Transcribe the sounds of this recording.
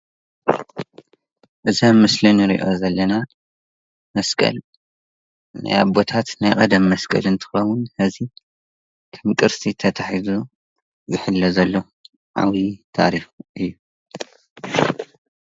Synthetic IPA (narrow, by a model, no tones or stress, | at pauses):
ʔɨzɐmɨslɨniɾḭʔo̞zɐlːɐna | mɐskʼɐ̰l | na̰jaβbo̞t̪ʰat̪najkʼɐd̪ɐmːɐskʼɐ̰lɨnt̪ʰɨ̥xɐwʊnhɐzi | kʰɐmkʼɨɾsit̪ʰɐt̪ʰaħizu | zɨħɨlːɐzɐlːo | ʕa̰βit̪ʰa̰ɾixʔɨjːu